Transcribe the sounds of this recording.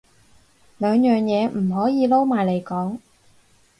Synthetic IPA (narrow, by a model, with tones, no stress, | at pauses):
lœː˨˧ŋjœː˨ŋjɛː˨˧m̩˨˩ɦɔː˨˥jiː˨˧lo˥wmaː˨˩jle˨˩jkɔː˨˥ŋ